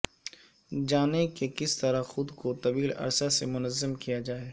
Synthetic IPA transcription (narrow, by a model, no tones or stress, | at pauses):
d͡ʒaːnekekɪst̪ɐɾaxʊd̪kot̪ɐbiːlɐ̰ɾsasemʊnəzːəmkijad͡ʒaːeː